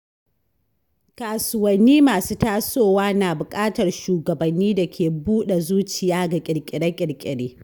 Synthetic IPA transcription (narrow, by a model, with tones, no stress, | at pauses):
kaː˨sʊ˦wɐ˨nːiː˦maː˨suː˦taː˦soː˦˨waː˦naː˨bʊ˨kʼaː˦tɐ˨rʃuː˨ɡɐ˨bɐ˨nːiː˦da˨kʲʰeː˨buː˦ɗe˨zuː˦t͡ʃɪ˨jaː˦ɡa˨kʲʼɪ˨ɾkʲʼɪ˨ɽɐ˦kʲʼɪ˨ɽkʲʼɪ˨ɽeː˦